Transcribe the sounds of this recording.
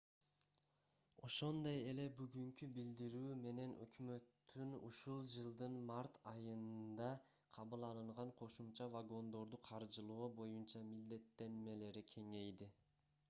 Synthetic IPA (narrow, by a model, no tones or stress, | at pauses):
o̞ʃo̞nd̪o̞je̞le̞byɡyŋkybild̪iɾyːme̞ne̞nʔø̰kmø̞t̪ʰːynṵʃulˠd͡ʒɯlˠd̪ɯnmaɾt̪ʰɑjɯnd̪ɑ | qʰɑβɯlˠɑlˠɯɴʁɑɴqʰo̞ʃumt͡ʃɑvaɡo̞nd̪o̞ɾd̪uqʰɑɾd͡ʒɯlˠuːbo̞junt͡ʃɑmild̪e̞t̪ːe̞nme̞le̞ɾikʲʰe̞ŋe̞jd̪i